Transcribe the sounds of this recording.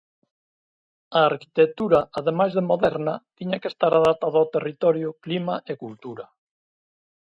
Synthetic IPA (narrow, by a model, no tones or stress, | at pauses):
aːɾki̥t̪et̪uɾaaðemajzðemoðɛɾnɐt̪iɲakest̪aɾaðat̪aðawt̪erit̪ɔɾjʊklimaʔekult̪uɾɐ